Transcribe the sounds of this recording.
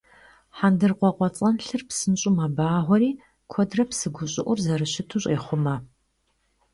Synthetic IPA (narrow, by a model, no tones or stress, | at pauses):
ħandɨrqʷɔqʷɔt͡sʼɐnɬɨrpsɨnɕʼʊmɐbaːʁʷɔɾiː | kʷʰɔdrɐpsɨɡʷʊɕʼɪʔʷʊrzɐrɨɕɪtʰuɕʼeːχʷʊmɐ